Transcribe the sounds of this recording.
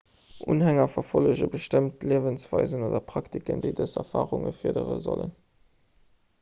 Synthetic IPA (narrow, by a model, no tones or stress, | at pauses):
ʔuːnɦæŋɐfɐfoləʑəbəʃtəmtliəvənsv̥ɑɪzənoːdɐpʁ̥ɑktikəndəɪdəzɛfaːʁʊŋəfiːɐdəʁə̰zolə̰n